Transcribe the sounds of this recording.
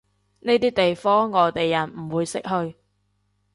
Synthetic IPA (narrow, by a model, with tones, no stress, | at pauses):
ne˥jt̪iː˥t̪e˨jfɔː˥ŋːɔː˨˧t̪e˨jːɐ˨˩nm̩˨˩wuː˨˧jsɪ˥k̚hɵ˧ɥ